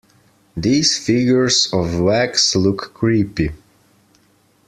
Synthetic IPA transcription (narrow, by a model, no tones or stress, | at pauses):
ðiz̥fɪɡjə˞zɔvwækslʊkːʰɹipi